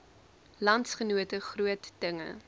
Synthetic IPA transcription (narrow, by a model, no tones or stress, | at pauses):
lɐntsχənuətəχruətd̥əŋə̰